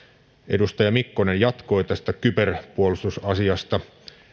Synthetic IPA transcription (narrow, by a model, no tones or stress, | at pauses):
ʔe̞̰dust̪ɑjɑmikːonenjɑt̪ko̞ːt̪æst̪ækyperpuolist̪usɑsiɑst̪ɑ